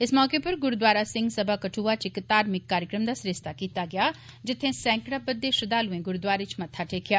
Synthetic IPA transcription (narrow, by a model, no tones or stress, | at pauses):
ɪsmɔːkepɐɾɡʊɾd̪waːɾasɪ̃ŋɡsɐbʱakɐʈʰuːat͡ʃɪkt̪aːɾmɪkːaːɾjəkɾəmd̪aːsɾest̪akiːt̪aɡɐjaː | d͡ʒɪt̪ʰːẽsɛ̃ːŋkɽabɐd̪ːeʃʊd̪aːluẽɡʊɾd̪waːɾet͡ʃmɐt̪ʰːaʈʰeːkʰjaː